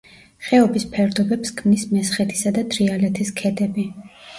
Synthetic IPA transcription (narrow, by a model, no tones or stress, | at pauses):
χɛɔbispʰɛɾd̪ɔbɛpskʰmnismɛsχɛt̪ʰi̥sad̪ad̪ɾialɛt̪ʰiskʰɛd̪ɛbi